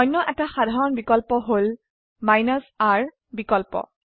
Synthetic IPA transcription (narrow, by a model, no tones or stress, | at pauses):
ɔjnːɔʔɛtaxadʱaɹɔnbikɔlpɔɦol | majnasaɹ | bikɔlpɔ̰